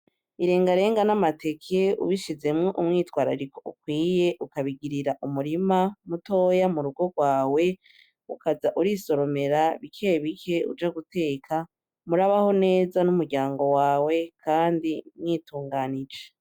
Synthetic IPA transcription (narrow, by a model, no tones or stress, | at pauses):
iɾe̞ːŋɡaɾe̞ːŋɡanamate̞kʰeṵβiʃize̞mŋoʔumŋiːtwaːɾa̰ɾikoʔukwiːje̞ʔukaβiɡiɾiɾaʔumuɾimamuto̞jamuɾuɡo̞ɡwaːwe̞ | ukazaʔuɾiso̞ɾo̞me̞ɾaβikʰe̞βikʰe̞ṵd͡ʒaɡute̞ːkʰa | muɾaβaho̞ne̞ːzanumuɾɟaːŋɡo̞waːwe̞kʰaːndimŋiːtuːŋɡaːnid͡ʒe